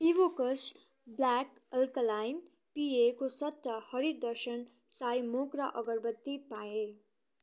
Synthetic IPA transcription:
iʋokʌs | blak | ʌlkʌlajn | piekosʌt̪ːʌhʌɾiɾd̪ʌrsʌn | sajmokrʌʔʌɡʌrbʌt̪ːipae

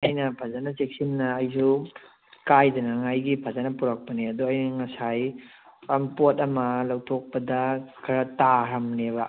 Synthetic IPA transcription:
ajnɐpʰazanɐt͡ʃek̚sinːɐːjsu | kajdɐnɐŋajɡipʰazanɐpuɾak̚pɐneɐduɐjnɐŋɐsaj | ɐmpotɐmɐlawtʰok̚pɐdɐkʰɐɾɐtaɾɐmneβɐ

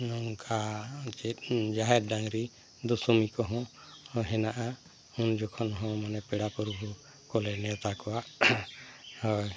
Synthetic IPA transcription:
nɔŋkʰat͡ʃɛd͡ʒaɦɛɾɖaŋɾi | d̪ɔsɔmikɔɦɔ̃ | ɦɛnaʔa | und͡ʒɔkʰɔnɦɔ̃manɛpɛɽapɔɾɔbʱu | kɔlɛnɛt̪akɔwaʔ | hɔj

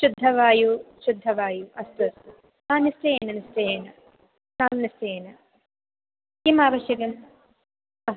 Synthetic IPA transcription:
ʃud̪ʱːɐʋaːjuʃud̪ʱːɐʋaːjuɐst̪ɐsu | naːnisʈɐjeːnɐnisʈɐjeːnɐ | naːnnisʈɐjeːnɐ | kimaːʋɐʃjɐkɐm | ɐ

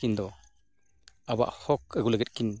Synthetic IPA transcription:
ind̪ɔ | aba̰ʔhɔk̚əɡuləɡɛt̚kin

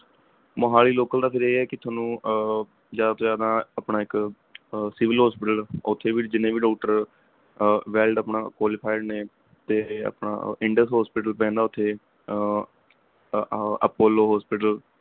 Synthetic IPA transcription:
məɦaːliːloːkəld̪aːpʰɪɾeːɛːkɪt̪ʰaːnũː | zjaːd̪aːt̪oːzjaːd̪ãːəpɳaːɪk | sɪʋɪlɦɔːspɪʈəlʊt̪ʰːeːʋiːd͡ʒɪnːẽːʋiːɖɔːkʈəɾ | ʋɛːlɖəpɳaːkwaːlɪpʰaːɪɖneː | t̪eːə̰pɳa̰ːɪ̃ɳɖəsɦɔːspɪʈəlpɛ̃ːnd̪aːʊt̪ʰːeː | əpoːloːɦɔːspɪʈəl

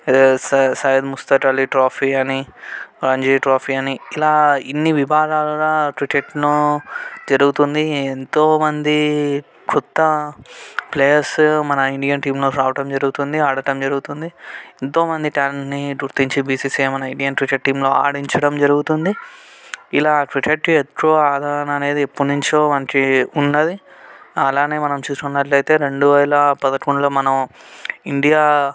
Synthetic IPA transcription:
ssɐjɐd̪must̪ɐʈɐliʈɾoːpʰiːɐniɾɐɲd͡ʒiʈɾoːpʰiɐniilaːinːiʋibʱaːd̪aːlɐɾaːʈʋiʈeʈnu | d͡ʒɐɾuɡut̪und̪ient̪oːmɐnd̪i | kʰut̪ːɐ | pleːjɐɾsmɐnɐiɳɖijɐnʈiːmlo̞ːɾaːʋɐʈɐmd͡ʒɐɾuɡut̪und̪iaːɽɐʈɐmd͡ʒɐɾuɡut̪und̪iint̪oːmɐnd̪iʈaːlenɳʈniɡuɾt̪iɲt͡ʃibiːsiːseːmɐnɐiɳɖijɐnʈʋiʈɐʈ̚ʈːiːmlo̞ːa̰ːɽiɲt͡ʃɐɽɐmd͡ʒɐɾuɡut̪und̪i | ilaːʈʋiʈʰeʈet̪ɾoːaːd̪ʱaːɾɐnɐːne̞ːd̪iepːunuɲt͡ʃoːmɐnt͡ʃiunːɐd̪iɐlaːne̞ːmɐnɐmt͡ʃuːst̪unːɐʈlɐjt̪e̞ːɾe̞ɳɖuʋɛːɐlɐpɐd̪ɐʈkuɳlo̞ːmɐnɐmiɳɖijaː

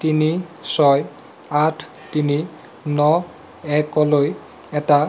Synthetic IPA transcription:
tinisɔj | atʰ | tini | nɔ | ɛkɔloj | ɛta

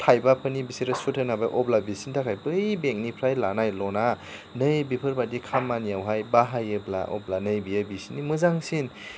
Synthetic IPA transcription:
tʰajbapʰɯnibisiɾɯsutʰɯnabaʔɔblabisintʰakʰajbɯjbek̚nipʰɾajlanajlɔna | nɯjbipʰɯɾbadikʰamːanijawɦajbaɦajɯbla̰ɔ̰blanɯjbijəbisinimɯzaŋsin

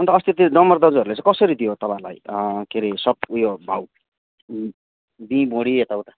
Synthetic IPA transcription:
ʌnt̪ʌːst̪ʰit̪inʌmʌrd̪ʌd͡zɦʌɾulet͡sãkʌsʌɾid̪ijot̪ʌpãla̰jkeɾisʌp̚ujobʱaw | bĩbõɽiet̪awt̪ḁ

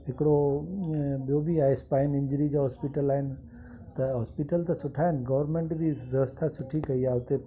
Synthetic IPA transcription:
ɦɪkɪɽo | ɓijobiaːɦespaːɪnɪ̃ɲd͡ʑɾid͡ʑaːɦɔːspiʈəlaːɦɪnɪ̆ | t̪ɐɦɔːspiʈəlt̪ɐsʊʈʰaːɦɪnɪ̆ɡɐʋəɾmẽːɳʈd͡ʑiʋɐʋəst̪ʰasʊʈʰikɐiaːʊt̪e

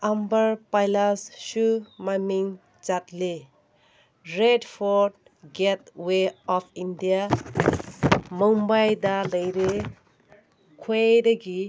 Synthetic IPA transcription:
ambəɾpajlasʃumamiŋ | t͡ʃatle | ɾedpʰɔɾd̚ | ɡet̚weɔpʰindija | mɔŋbajdaləjɾe | kʰwedaɡi

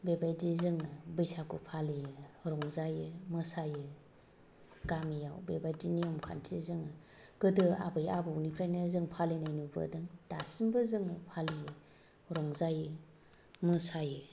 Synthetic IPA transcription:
bebajdizɯŋɯbɯjsakupʰalijɯɾɔŋzajɯmɯsajɯ | ɡamijawbebajdiniɔmkʰa̰ntʰizɯŋɯ | ɡ̥ɯdɯa̰bɯjabɯunipʰɾajnezɯŋpʰalinajnubɯ̰dɯŋd̥asimbɯzɯŋɯpʰali | ɾɔŋzajɯ | mɯsajɯ

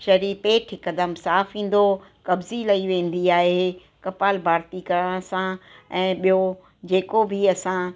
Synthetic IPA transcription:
ʃɐɾipeːʈʰɪkɐd̪əmsaːfĩːn̆d̪okɐbzilɐiʋẽːn̆d̪iaːɦe | kɐpaːlbʱaːɾt̪ikɐɾəɽ̃sãɛ̃ːɓijo | d͡ʑeːkobʱɪɐsã

